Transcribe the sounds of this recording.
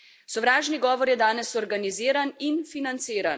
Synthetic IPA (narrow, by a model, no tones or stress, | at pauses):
sɔwɾaːʒniɡɔːʋɔɾjɛd̪aːnɛsɔɾɡaniziːɾaninfinant̪siːɾan